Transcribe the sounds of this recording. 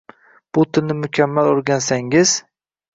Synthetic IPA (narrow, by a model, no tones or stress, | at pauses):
b̥ʊt̪ʰɪlnɪmʊkʲʰamːaloɾɡʲansaŋɪz